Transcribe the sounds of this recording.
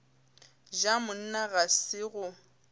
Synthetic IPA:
d͡ʒamʊn̩naɣasɪɣʊ

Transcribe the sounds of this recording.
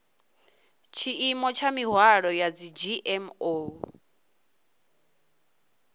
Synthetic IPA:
t͡ʃʰiʔimɔt͡ʃʰamiɦwaɺɔjad͡zid͡ʒiʔɛmo

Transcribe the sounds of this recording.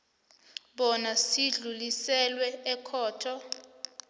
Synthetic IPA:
ɓɔnasiɮulisɛlwɛɛkʰɔːtʰɔ

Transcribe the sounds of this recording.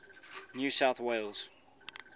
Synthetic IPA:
njuːsaʊθweɪlˠz̥

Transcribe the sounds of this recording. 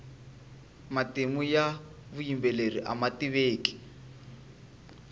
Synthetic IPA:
matemujaβujimbɛleriʔa̰matiβeːki̥

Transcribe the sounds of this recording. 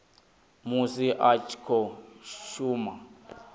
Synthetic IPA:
musiʔat͡ʃʰkʰɔʃuːma

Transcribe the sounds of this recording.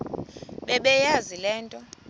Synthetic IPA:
ɓɛɓɛjazilɛːntʼɔ

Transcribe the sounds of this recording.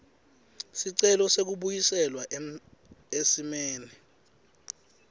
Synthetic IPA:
siǀɛlɔsek̬uɓujisɛlwaʔ | esimeːni

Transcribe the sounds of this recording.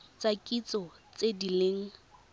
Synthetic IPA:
t͡sakʼit͡sʼɔt͡sedileŋ̩

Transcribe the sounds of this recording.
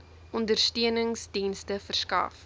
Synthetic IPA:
ʔɔndərstiənəŋsdinstəfərskɐ̰f

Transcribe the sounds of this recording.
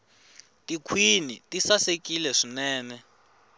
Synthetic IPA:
tikʰwinitisasekilɛʂinɛːnɛ

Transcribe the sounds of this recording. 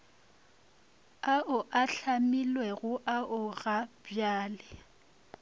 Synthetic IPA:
aʔʊʔaɬʰamilwɛɣʊʔaʔʊɣabjaːlɛ

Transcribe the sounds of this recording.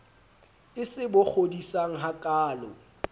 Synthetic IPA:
ɪsɪbʊk͡xʰodisaŋ̩ɦakʼaːlɔ̰

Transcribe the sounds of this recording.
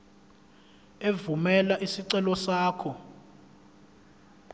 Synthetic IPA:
evumɛlaʔisiǀɛlɔsaːkʰɔ

